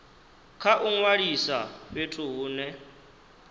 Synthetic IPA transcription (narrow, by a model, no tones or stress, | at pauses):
kʰaʔuŋwaɺisaɸetʰuɦuːnɛ